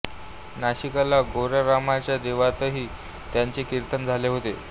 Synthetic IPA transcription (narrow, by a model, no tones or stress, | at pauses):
naɕikalaɡoɾəɾamat͡ɕjad̪eʋat̪əɦiː | t̪jaɲt͡sekiɾt̪ənd͡zʱaleɦot̪e